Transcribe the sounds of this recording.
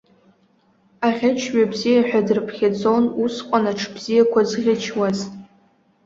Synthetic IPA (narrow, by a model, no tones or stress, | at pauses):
aʁʲat͡ʃʰɥabzijaħʷᶣadɨrɨpʰχʲad͡zonusqʷʼanaʈ͡ʂʰb̥zijakʷʰazʁʲɪt͡ʃʰwaz